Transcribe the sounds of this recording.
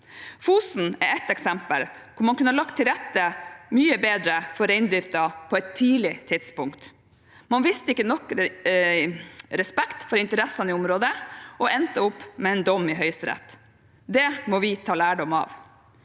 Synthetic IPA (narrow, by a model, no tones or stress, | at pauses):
fuːsn̩ɛɾɛt̪ɛksɛmpə̰l | kʰʊɾmɑnkʉnəɑlɑk̚t̪ʰːɪlɾɛt̪ːəmyːəbeːd̪ɾəfɔɾɛɪnd̪ɾɪft̪ɑpʰɔɛt̪ʰːiːlɪt̪ʰɪd̪spʊŋkt̪ | mɑnʋɪst̪əɪkːənɔkː | ɾɛspɛkt̪fɔɾɪnt̪əɾɛsːɑnɪʊmɾoːd̪əʔɔʔɛnt̪əʊpːmɛɛnd̪ɔmːɪɦœʏst̪ɾɛ̰t̪ | d̪ɛmɔʋɪt̪ʰɑːlæːɖɔmɑ̰ːʋ